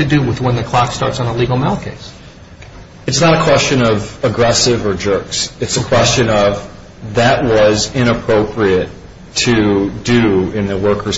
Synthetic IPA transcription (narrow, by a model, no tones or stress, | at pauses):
tɨdɨwɪðwə̃nðɨkʰl̥ɑkstɑ̰ɹtsn̩əliɡl̩ˠmalˠkʰeɪs | ɨtsnəɾɨkʰw̥ɛst͡ʃɨ̃nʌvəɡɹɛsɪvə˞d͡ʒɜ˞ksɨtsɨkʰw̥ɛst͡ʃɨ̃nʌv | ðɨʔ̚wʌzɪ̃ñəpʰɹ̥oʊpʰɹiɨtʰ | ɨdɨɪ̃nðɨwɜ˞kʰə˞